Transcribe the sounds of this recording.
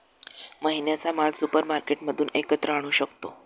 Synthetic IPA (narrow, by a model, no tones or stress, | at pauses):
məɦinjat͡samalsupəɾmaɾkeʈməd̪ʱuːnekət̪ɾəaɽ̃uːɕəkt̪o̰